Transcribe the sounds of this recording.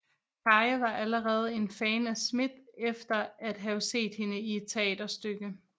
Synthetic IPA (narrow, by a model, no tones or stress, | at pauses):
kʰɑ̈ʋɑ̈ʔæləʁɛːð̞̩ˠe̝nfɛːnæsmed̥efd̥ɐæd̥ɦæʊse̝̰ːd̥he̝nəie̝d̥̚t͡sʰe̝ɛ̰ːd̥ɐsd̥øɡ̥ə